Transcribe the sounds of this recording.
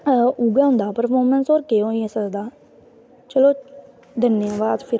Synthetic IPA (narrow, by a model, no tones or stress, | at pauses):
uɡaːɦʊ̃nd̪aːpəɾpʰoːmɛnsoːɾkeːõːesəɡd̪aː | t͡ʃəloː | d̪ənjãːʋaːd̪pʰɪɾ